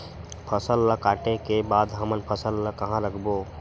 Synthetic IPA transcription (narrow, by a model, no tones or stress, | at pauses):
pʰəsəlːəkaʈekebad̪ɦəmənpʰəsəlːəkəɦãɾəkʰbo